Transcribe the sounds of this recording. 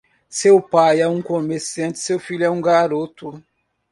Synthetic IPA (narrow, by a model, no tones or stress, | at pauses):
sewpajɛũkomeɾsiɐ̃nt͡ʃɪ̥sewfilɛũɡaɾot̪ʊ